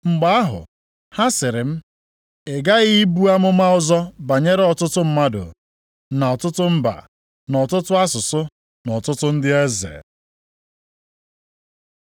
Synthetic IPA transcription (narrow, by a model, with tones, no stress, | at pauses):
ŋ͡m̩˨ɡ͡ba˦a˦ɦʊ̰˨ | ha˦sɪ˨ɾɪ˨m̩˦ | e˨ɡa˦ɣi˦bu˦a˦mʊ˦ma˦ʊ˦zɔ˦ba˨ɲe˦ɾɔ˨tʊ˦tʊ˦m̩˦ma˦dʊ̰˨ | na˨ɔ˨tʊ˦tʊ˦m̩˦ba̰˨ | nɔ˨tʊ˦tʊ˦a˦sʊ˨sʊ˦ | nɔ˨tʊ˦tʊ˦n̩˦dɪ˦e˦zḛ˨